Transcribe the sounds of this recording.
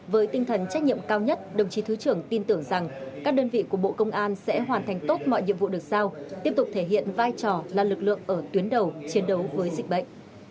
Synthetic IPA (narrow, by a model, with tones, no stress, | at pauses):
vəː˨˦jt̪ï˧ŋ̟t̪ʰə˨˩nt͡ɕa˦˥k̚ɲḭ˧˨əmkaː˧wɲə˦˥t̚ɗə˨˩wŋ͡mt͡ɕi˨˦t̪ʰɨ˨˦t͡ɕɨ˧˩əŋt̪i˧nt̪ɨ˧˩əŋza˨˩ŋkaː˦˥k̚ɗəː˧nvḭ˧˨ku˧˩əɓo̰˧˨kə˧wŋ͡mʔaː˧nsɛ̰˧˥ɦwaː˨˩nt̪ʰa˨˩jŋ̟t̪o˦˥t̚mɔ̰˧˨jɲḭ˧˨əmvṵ˧˨ɗək̚z̥aː˧wt̪i˦˥əp̚t̪ʊ˨˩k͡p̚t̪ʰe˧˩ɦḭ˧˨ənvaː˧jt͡ɕɔ˨˩laː˨˩lɨ˨˩k̚lɨ̰˧˨əŋʔəː˧˩t̪wi˨˦ənɗə˨˩wt͡ɕi˨˦ənɗə˨˦wvəː˨˦jzï˨˩k̟̚ɓə̰˧˨ŋ̟ʔ